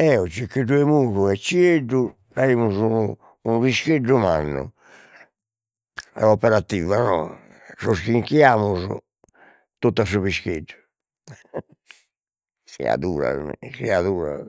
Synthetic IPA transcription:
ɛɔt͡ʃikːeɖuemuːɾuɛt͡ʃːieɖːu | ɾaimuzunuː | nuβiskeɖːumanːṵ | ɛ̰ɔpɛɾat̪ːiːvanɔ | soskiŋkiaːmuz̰ | t̪ot̪ːas̬oβiskeɖːu | sḭa̰ðuːɾa̰siaðuːɾa̰

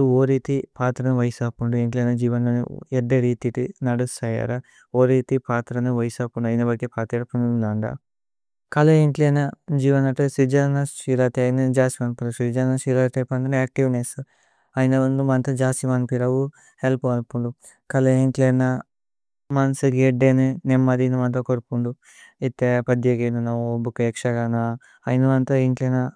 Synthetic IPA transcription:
uoːɾiːt̪ipaːt̪ɾɐnuʋɐjsaːpuɳɖueːɳʈlenɐd͡ʒiːʋɐnlɐnṵɛɖːɐɾiːt̪iʈinɐɽusɐja̰ːɾa | oːɾiːt̪ipaːt̪ɾɐnuʋɐjsaːpuɳɖɐjinɐbɐkepʰaːt̪ɾeɾɐpunulaːɳɖa̰ | kɐlɐeɳʈlienɐd͡ʒiːʋɐnɐʈesid͡ʒaːnɐʃiɾaːt̪iɐjnɐd͡ʒaːsimaːnpɐlusid͡ʒanaʃiɾaːt̪epɐnd̪ɐnaːk̚ʈiʋneːsu | ɐjnɐund̪umɐnt̪ɐd͡ʒaːsimɐnpiɾɐwu | helpuɐnpuɳɖu | kɐlɐeɳʈleːnɐ | mɐnsɐɡeɖeːninemːɐd̪inɐmɐnt̪̬okoɾpuɳɖu | it̪ːepɐd̪jeɡenunɐobukːɐekʂɐɡaːna | ɐjnɐmɐnt̪ɐeɳʈleːnɐ

